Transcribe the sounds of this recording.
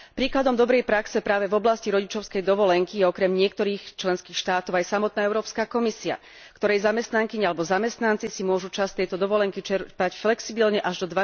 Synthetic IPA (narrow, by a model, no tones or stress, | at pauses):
pɾiːklad̪ɔmd̪ɔbɾɛjpɾaksɛpɾaːʋɛvɔblasciɾɔɟit͡ʃɔʊskɛjd̪ɔʋɔlɛŋkijɛɔkɾɛmɲɪɛk̚t̪ɔɾiːxt͡ʃlɛnskiːxʃt̪aːt̪ɔʊajsamɔt̪̚naːɛʊɾɔːpskakɔmisia̰ | kt̪ɔɾɛjzamɛst̪naŋkiɲalɛbɔzamɛst̪nant͡sisimʊɔʒut͡ʃast̪ɛjt̪ɔd̪ɔʋɔlɛŋkit͡ʃɛɾpacflɛksibilɲɛʔaʒd̪ɔd̪ʋa